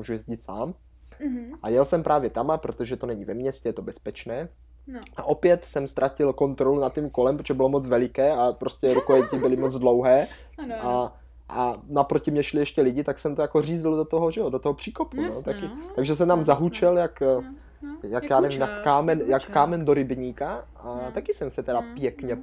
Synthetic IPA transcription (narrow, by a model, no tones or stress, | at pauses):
muʒujɛzɟɪt̪saːm | ʔajɛlsɛmpɾʔaːvjɛt̪amapɾot̪oʒɛt̪o̞nɛɲivɛmɲɛscɛjɛt̪o̞bɛspɛt͡ʃnɛː | ʔaʔo̞pjɛt̪sɛmst̪ɾʔacɪlko̞nt̪ɾolunat̪ːimko̞lɛmpɾot̪oʒɛbɪlo̞mot͡svɛlɪkɛːapɾoscʲɛɾukoɛcɪbɪlɪmot͡sdlowɦɛː | ʔa | ʔanapɾo̞cɪmɲɛʃlɪjɛʃcɛlɪɟɪt̪aksɛmt̪ojakoriːzldot̪oɦoʒɛodot̪oɦopr̥iːkopunot̪akɪt̪aɡʒɛsɛmt̪amzaɦut͡ʃɛljak | jakjaːnɛvɪmjakaːmɛnjakːaːmɛndoɾɪbɲiːkaʔat̪akɪsɛmsɛt̪ɛɾapjɛkɲɛ